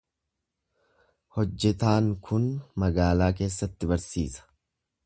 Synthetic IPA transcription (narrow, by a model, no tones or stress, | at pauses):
hɔd͡ʒːɛt̪aːŋkʰʊnmɐɡaːlaːk̬e̞ːsːɐt̪ːɪbɐɾsḭːsɐ̥